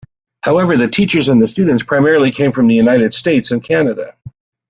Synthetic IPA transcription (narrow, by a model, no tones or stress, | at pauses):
haʊɛvə˞ðɨtʰit͡ʃə˞zɨ̃nðɨstʉdⁿn̩tspʰɹ̥aɪmɛɹl̩ˠikʰẽɪ̃ɱfɹʌ̃mðɨjʉnaɪɾɨd̥steɪtsɨ̃nkʰænɨɾə̰